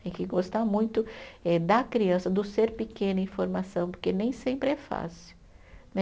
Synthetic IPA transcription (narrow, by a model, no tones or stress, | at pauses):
t̪ẽj̃kɪɡost̪amũj̃t̪ʊɛd̪ɐkɾiɐ̃sɐd̪ʊseɾpɪkẽnɐĩfoɾmasɐ̃w̃poɾkenẽj̃sẽmpɾɪɛfa̰siʊ | nɛ